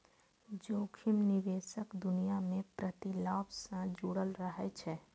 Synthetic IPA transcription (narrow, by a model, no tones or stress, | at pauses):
d͡ʒoːkʰɪmnɪʋeːʃəkd̪ʊnijamẽpɾət̪ɪlaːbsãd͡ʒuːɽəlɾəɦɛt͡ʃʰɛː